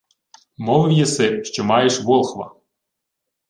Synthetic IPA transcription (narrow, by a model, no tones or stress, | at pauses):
mɔʋwjɛsɪʃt͡ʃɔmɑjeʃʋɔlˠxʋɐ̰